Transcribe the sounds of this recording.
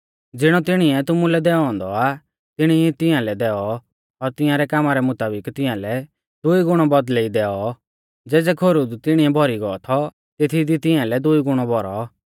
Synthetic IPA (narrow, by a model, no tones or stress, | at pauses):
d͡zɪɽ̃ɔt̪ɪɽ̃iɛt̪ʊmulɛd̪ɛɔɔ̃ːnd̪ɔa | t̪ɪɽ̃it̪ɪjãlɛd̪ɛːɔ | ɔɾt̪ɪjãɾɛkaːmaɾɛmʊt̪aːbɪkt̪ɪ̃jãlɛ | d̪ʊiɡʊɽ̃ɔbɔd̪leid̪ɛːɔ | d͡zɛːd͡zɛkʰoɾud̪t̪ɪɽ̃iɛbʱɔɾiɡɔɔt̪ʰɔ | t̪et̪ʰid̪it̪ɪãlɛd̪ʊiɡʊɽ̃ɔbʱɔɾɔ